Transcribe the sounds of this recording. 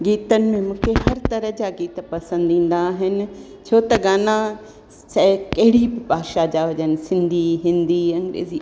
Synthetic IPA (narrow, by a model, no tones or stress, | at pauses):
ɡiːt̪ənɪ̆mẽmũːkʰehɐɾt̪ɐɾə̆d͡ʑaɡiːt̪pɐsə̃nd̪ĩːn̆d̪aːɦɪnɪ̆ | t͡ɕʰoːt̪ɐɡaːnã | sɐkɐɦɪɽibɪbʱaːʃad͡ʑaɦʊʄənɪ̆sɪ̃nd̪ʱiɦɪ̃nd̪iɐ̃ŋɡɾḛːzi